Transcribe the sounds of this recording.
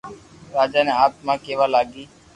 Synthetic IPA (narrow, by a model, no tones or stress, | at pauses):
ɾaːd͡ʒaːneːaːt̪̚mãːkeːʋaːlaːɡiː